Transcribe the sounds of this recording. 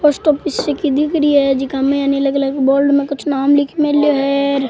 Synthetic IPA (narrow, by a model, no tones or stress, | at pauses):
pɔsʈɔpɪsekid̪ɪkɾiɦɛd͡ʒikamẽjanilɐɡlɐkbɔːɾɖmẽkʊt͡ʃʰnaːmlikʰmeljoɦɛɾ